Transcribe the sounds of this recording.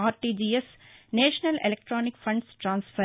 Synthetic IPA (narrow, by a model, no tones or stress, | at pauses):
aːɾʈiːd͡ʒiːes | neːʃənɐlḛlek̚ʈɾɔːnɪkfɐ̃ɳɖsʈɾãːnsfə